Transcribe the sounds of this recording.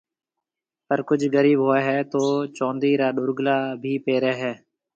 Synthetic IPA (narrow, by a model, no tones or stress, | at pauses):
pəɾkʊd͡ʒʱɣəɾiːbɦoːeːɦɛːt̪oːt͡ʃõːnd̪iːɾaːɗʊɾɡlaːbʱiːpeːɾeːɦɛː